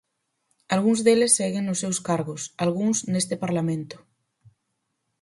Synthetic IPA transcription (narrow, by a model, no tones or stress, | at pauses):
alɣuŋzðelesːɛɣeŋnosːewskaɾɣosalɣ̞uŋsnest̪epaɾlamẽnt̪ʊ̥